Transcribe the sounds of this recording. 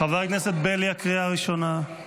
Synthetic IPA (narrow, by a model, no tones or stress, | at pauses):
χaveʁkneset̪̚beljakʁiaʁiʃona